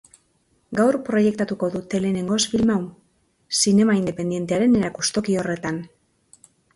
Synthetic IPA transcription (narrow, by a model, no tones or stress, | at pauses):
ɡawrpɾo̞je̞k̚t̪at̪uko̞ðut̪e̞le̞ːne̞ŋɡo̞sbilmaw | sine̞maind̪e̞pe̞nd̪ije̞nt̪e̞aɾe̞ne̞ɾakust̪o̞kio̞re̞t̪an